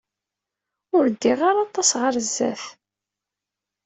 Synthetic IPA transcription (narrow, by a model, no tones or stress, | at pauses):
ʊɾd̪ːiʁaɾɑt̪ˤːɑsʁəɾzːæ̰θ